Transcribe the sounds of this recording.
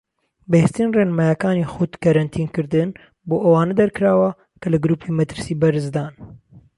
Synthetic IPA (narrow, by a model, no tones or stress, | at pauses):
bɛhest̪inreːnmajakaːnixʊt̪kɐɾɐnt̪ʰiːnkɨɾd̪ɨn | boːʔɐwaːnɐd̪ɐɾkɨɾaːwɐ | kʰɐlɨɡɾuːpʰiːmɐt̪ɨɾsiːbɐɾɨzd̪aːn